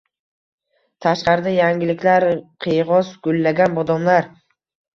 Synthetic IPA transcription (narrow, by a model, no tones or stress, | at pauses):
t̪ʰaʃqɑɾɪd̪ajaŋʲɪlɪkʲlaɾqʰejʁɒsɡ̥ʊlːaɡʲanbɒd̪ɒmlaɾ